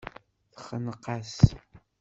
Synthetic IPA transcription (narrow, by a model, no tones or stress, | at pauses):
θχənəqas